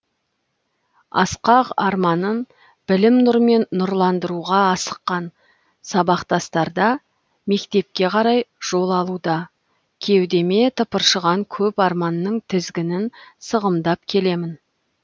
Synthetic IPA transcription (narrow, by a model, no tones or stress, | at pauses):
ɑ̰sqɑqɑɾmɑnən | bɪlɪmnʊɾme̞nːʊɾlˠɑnd̪əɾuʁɑːsə̥qːɑn | sɑbɑqt̪ɑst̪ɑɾd̪ɑ | me̞kt̪e̞p̚kʲe̞qʰɑɾɑjʒ̥o̞lˠɑlˠud̪ɑ | kʲʰe̞wd̪eme̞t̪ʰəpəɾʃəʁɑŋkʲʰɵpɑɾmɑnːəɴt̪ʰɪzɡʲɪnɪnsəʁəmd̪ɑp̚kʲʰe̞le̞mɪn